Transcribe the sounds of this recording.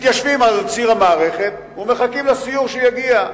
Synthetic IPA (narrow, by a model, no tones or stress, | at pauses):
t̪jaʃvimalt͡siʁamaːʁe̞χe̞t̪vumeχakimlasijuʁʃejaɡia